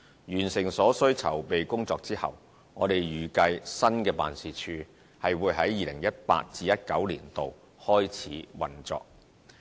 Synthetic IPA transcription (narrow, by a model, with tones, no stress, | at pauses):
jyː˨˩nsɪ˨˩ŋsɔː˨˥sɵ˥ɥt͡sʰɐ̰˨˩wpe˨jkʊ˥ŋt͡sɔː˧k̚t͡siː˥hɐ̰˨˩w | ŋɔː˨˧d̪e˨jɥyː˨kɐ˧jsɐ˥nkɛː˧pa̰ː˨nsiː˨t͡ʃʰyː˧ | hɐ˨jwuː˨˧˥jɦɐ˨˥jːiː˨˧lɪ˨˩ŋjɐ˥t̚pa̰ː˧t̚t͡siː˧jɐ˥t̚kɐ˨˥wlḭː˨˩nt̪o˨w | hɔː˥jt͡sʰiː˨˥wɐ˨nt͡sɔ̰ː˨k̚